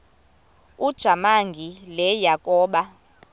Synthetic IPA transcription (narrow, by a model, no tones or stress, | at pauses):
ud̥ʒ̥ʱamaŋɡʱilɛjakʼɔːɓa